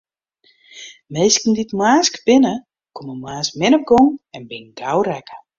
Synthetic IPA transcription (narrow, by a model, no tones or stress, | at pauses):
mejskn̩ditmaːskb̥ɪnə | koməmaːsmɪnɔp̚ɡoŋɛnbɪnɡawrɛkə̥